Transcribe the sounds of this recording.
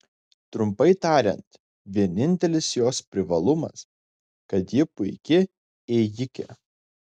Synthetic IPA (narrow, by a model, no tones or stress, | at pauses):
t̪ɾʊmpɐɪt̪ɑːɾʲɛ̰nt̪ | ʋʲiɛnʲɪnʲt̪ʲɛlʲɪsjoːspʲɾʲɪʋɐlˠʊmɐ̰s | kɐt̪jɪpʊɪkʲɪ | ɛjɪkʲɛ̰